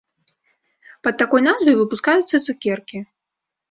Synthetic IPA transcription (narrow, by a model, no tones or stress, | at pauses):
pɐt̪̚ːakɔjnazvɐjvɨpuskajut̪sːɐt̪sukʲɛrkʲi